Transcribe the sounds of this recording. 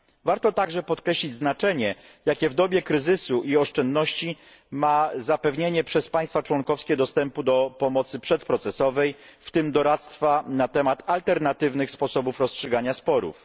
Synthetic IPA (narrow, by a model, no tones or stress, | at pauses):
vaɾt̪ɔt̪aɡʐɛpɔt̪kɾɛɕlʲid͡ʑznat͡ʂɛɲɛ | jakʲɛvd̪ɔbʲjɛkɾɘzɘsuʔiɔʂt͡ʂɛnd̪nɔɕt͡ɕi | mazapɛvɲeɲɛpʂɛspaj̃st̪fat͡ʂwɔŋkɔfskʲɛd̪ɔst̪ɛmpud̪ɔpɔmɔt̪sɘpʂɛt̪pɾɔt̪sɛsɔvɛjft̪ɘmd̪ɔɾat̪st̪fanat̪ɛmat̪alt̪ɛɾnat̪ɘvnɘxspɔsɔbufɾɔstʂɘɡaɲaspɔɾṵf